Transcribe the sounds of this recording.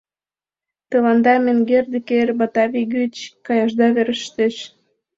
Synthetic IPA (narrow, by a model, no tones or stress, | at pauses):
t̪ɤ̆lɑnd̪ɑmenɡerd̪ĕkerbɑt̪ɑβiɡyt͡ɕkɑjɑʒd̪ɑβeɾəʃt̪eʃ